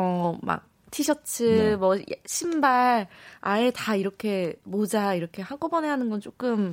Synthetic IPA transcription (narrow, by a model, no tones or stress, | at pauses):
ʌma̰k̚ | tʰiɕʰʌt͡ɕʰɯmʌɕʰimbaɭae̞taiɾʌkʰe̞mod͡ʑaiɾʌkʰe̞haɡobʌne̞ɦanɯnɡʌnt͡ɕ͈ok͈ɯm